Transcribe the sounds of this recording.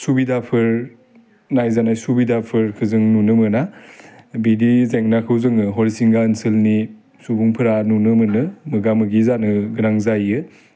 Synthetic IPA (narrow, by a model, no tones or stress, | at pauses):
subidapʰɯɾ | najzanajsubidapʰɯɾkʰɯzɯŋnunɯmɯna | bidizeŋnakʰɯwzɯŋɯɦɔɾisiŋɡaənsɯlni | subuŋpʰɯɾanunɯmɯnɯmɯɡamɯɡizanɯɡɯnaŋzajɯ